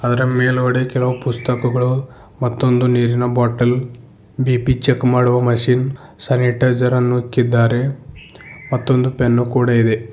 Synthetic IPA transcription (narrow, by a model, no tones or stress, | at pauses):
ɐd̪ɐɾɐmeːloːɽekɛlɐʋɐpust̪ɐkɐɡɐɭu | mɐt̪ːo̞nd̪uniːɾinɐbaːʈɐl | biːpit͡ʃekːmaːɽuʋɐmɐʃiːn | sɐniʈɐd͡ʒɐɾɐnːukːid̪ːaːɾe̞ | mɐt̪ːo̞nd̪upenːukuːɽɐid̪e̞